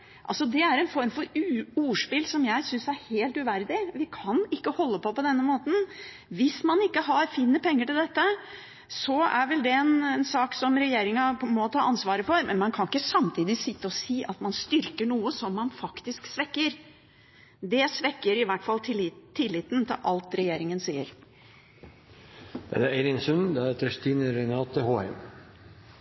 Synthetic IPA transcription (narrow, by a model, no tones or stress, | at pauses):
ʔɑ̰lsɔd̪ɛæɾɛnfɔɾmfɔɾʉuːʂpɪlsɔmjæɪsʏnsæɾheːlt̪ʉʋæɾd̪ɪʋɪkʰɑnɪkːəhɔlːəpɔpɔd̪ɛnːəmoːt̪n̩ | ʋɪsmɑnɪkːəɦɑɾfiːnːəpʰɛŋːəʈɪld̪ɛt̪ːə | sɔæ̰ɾʋɛld̪ɛɛnɛnsɑːksɔmɾɛjeːɾɪŋɑmɔt̪ʰɑːʔɑnsʋɑːɾəfɔɾmɛnmɑnkʰɑnɪkːəsɑmt̪ʰiːd̪ɪsɪt̪ːəɔsiːʔɑt̪mɑnst̪ʏɾkəɳuːəsɔmːɑnfɑkt̪ɪsksʋɛkːəɾ | d̪ɛsʋɛkːəɾɪʋæʈfɑlt̪ʰt̪ʰːɪlːɪt̪nt̪ʰɪ̰lʔɑlt̪ɾɛjeːɾɪŋənsiːəɾ | d̪̥ɛ̰d̪ææɪɾɪnsʉnd̪ɛæɾt̪ʰɾɛst̪iːnəɾɛnɑːt̪ːəhoːɛ̰m